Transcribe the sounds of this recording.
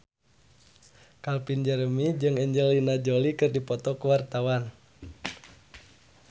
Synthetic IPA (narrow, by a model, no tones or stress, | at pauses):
kalpind͡ʒəɾəmid͡ʒɨŋɛɲd͡ʒəlinad͡ʒolikɨrdipɔt̪ɔkəwart̪awan